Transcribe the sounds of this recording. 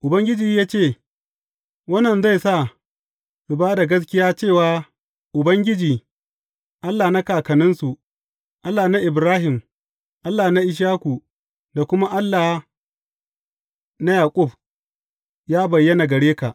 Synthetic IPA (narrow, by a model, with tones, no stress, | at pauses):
ʔʊ˨bɐ˦ŋɡʲɪ˦d͡ʒiː˨jaː˦t͡ʃeː˦˨ | wɐ˦nːɐ˨nza˦˨jsa˦˨ | ɽʊ˨baː˦da˨ɡɐ˦s̬kʲɪ˦jaː˦t͡ʃeː˦˨waː˨ | ʔʊ˨bɐ˦ŋɡʲɪ˦d͡ʒiː˨ | ʔa˦lːaː˨na˦kaː˨kɐ˨nɪ˦nsu˨ | ʔa˦lːaː˨na˦ʔɪ˨bɾaː˦ɦɪ˨m | ʔa˦lːa˨na˦ʔɪ˦ʃ̬aː˦kʷu˨ | da˨kʷʊ˦ma˦ʔa˦lːaː˨ | na˦jaː˨kʼʊ˦˨b | jaː˦bɐ˨jːɐ˦na˨ɡɐ˨ɽeː˦ka˨ʔ